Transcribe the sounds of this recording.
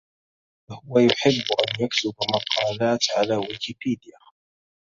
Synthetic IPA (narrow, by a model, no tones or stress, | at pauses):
hʊwæjʊħɪbːʔænjæksɪbmɑqʰːɑlat̪ʕalæwikipid̪ija